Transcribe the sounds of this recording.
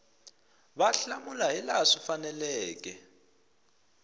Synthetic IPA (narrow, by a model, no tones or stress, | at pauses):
βaɬamulaɦilaʂifanɛlɛɛːk̬ʼɛ